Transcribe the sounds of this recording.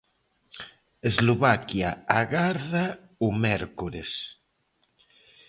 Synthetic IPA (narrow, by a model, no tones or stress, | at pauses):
ezloβakjaaɣaɾða | umɛɾkuɾes